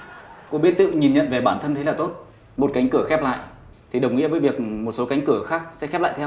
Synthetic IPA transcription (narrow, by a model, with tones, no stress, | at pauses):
kṵ˧˥ɓi˦˥ət̚t̪ɨ̰˧˨ɲi˨˩nɲə̰˧˨nve˨˩ɓaː˧˩nt̪ʰə˧nt̪ʰe˨˦laː˨˩t̪o˦˥t̚ | mo˨˩t̚ka˨˦ŋ̟kɨ˧˩əxɛ˦˥p̚la̰ː˧˨j | t̪ʰi˨˩ɗə˨˩wŋ͡mŋḭ˧˥əvːjvi˨˩ək̚mo˨˩t̚so˨˦ka˨˦jŋ̟kɨ˧˩əxaː˦˥k̚sɛ̰˧˥xɛ˦˥p̚la̰ː˧˨jt̪ɛ˧w